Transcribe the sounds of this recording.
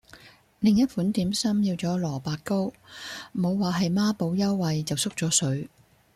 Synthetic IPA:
lɪ˨˩ŋjɐ˥t̚fuː˨˥nt̪iː˨˥msɐ˥mjiː˧wt͡sɔː˨˥lɔː˨˩paː˧kko˥w | mo˨˧wːaː˨ɦɐ˨jmaː˥po˨˧wjɐ˥wːɐ˨jt͡sɐ˨wsʊ˥k̚t͡sɔː˨˥sɵ˨˥ɥ

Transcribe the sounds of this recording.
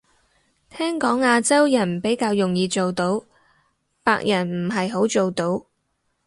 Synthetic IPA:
t̪ʰɛː˥ŋkɔː˨˥ŋaː˧t͡sɐ˥wjɐ˨˩npe˨˥jkaː˧wjʊ˨ŋjiː˨˧t͡so˨wt̪o˨˥w | paː˧k̚jʔɐ˨˩nm̩˨˩ɦɐ˨jɦo˨˥wt͡so˨wt̪o˨˥w

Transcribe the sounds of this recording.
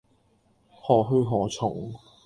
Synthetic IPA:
hɔː˨˩ɦɵ˧ɥɦɔː˨˩t͡sʰʊ˨˩ŋ

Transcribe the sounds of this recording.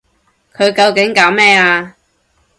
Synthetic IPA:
kʰɵ˨˧ɥkɐ˧wkɪ˨˥ŋkaː˨˥wmɛː˥aː˧

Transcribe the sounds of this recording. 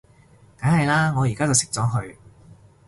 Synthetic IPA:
kaː˨˥nhɐ˨jlaː˥ŋɔː˨˧jiː˨˩kaː˥t͡sɐ˨wsɪ̥˨k̚t͡sɔː˨˥ɦɵ˧ɥ

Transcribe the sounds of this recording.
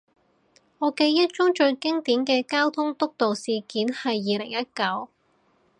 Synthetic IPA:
ŋɔː˨˧ke˧jːɐ˥t̚t͡ʃʊ˥ŋt͡ʃɵ˧ɥkɪ˥ŋt̪iː˨˥nkɛː˧kaː˥wt̪ʰʊ˥ŋt̪ʊ˥k̚t̪o˨wsiː˨kiː˨˥nhɐ˨jːiː˨˧lɪ̰˨˩ŋjɐ˥t̚kɐ˨˥w

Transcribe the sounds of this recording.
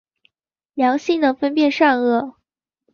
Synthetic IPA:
ljɑ˧˥ŋɕi˥˩ŋnə˨˩fə˥npjɛ˥˧nʂɑ˥˧ŋɤ˥˩

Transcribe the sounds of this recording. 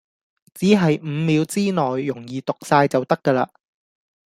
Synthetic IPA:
t͡siː˨˥ɦɐ˨jm̩ː˨˧miː˨˧wt͡siː˥nɔː˨jːʊ˨˩ŋjiː˨t̪ʊ˨k̚saː˧jt͡sɐ˨wt̪ɐ˥kːəː˧laː˧

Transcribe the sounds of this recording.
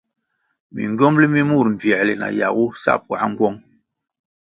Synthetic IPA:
mḭ˨ŋ˦ɡɔ˦mli˦mi˦mu˦˨ɾɱ̩˨vjɛ˨li˨na̰˨ja˨ɣu˦sa̰˦˨pwa˨˦ŋ̩˦ɡwɔ˦ŋ

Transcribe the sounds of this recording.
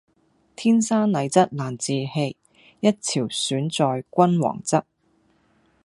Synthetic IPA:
t̪ʰiː˥nsaː˥nlɐ˨˧jt͡sɐ˥t̚laː˨˩nt͡siː˨he˧j | jɐ˥t̚t͡sʰiː˨˩wsyː˨˥nt͡sɔː˨˧jkʷɐ˥nwɔ̰ː˨˩ŋt͡sɐ˥t̚

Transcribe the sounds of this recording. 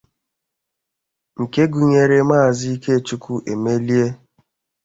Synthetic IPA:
ŋ̩˨ke˦ɡu˨ɲe˨ɾe˦maː˦˨zi˦i˦ke˦˨t͡ʃu˦ku˦ʔe˨me˦li˦e˦

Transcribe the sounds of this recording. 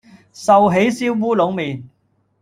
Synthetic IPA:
sɐ˨wɦe˨˥jsiː˥wːuː˥lo˨˥wmiː˨n

